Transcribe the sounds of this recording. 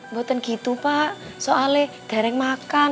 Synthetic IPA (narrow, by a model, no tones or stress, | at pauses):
mbot̪ənɡ̥it̪upaʔsoalehd̪̥a̤ɾɛŋmakan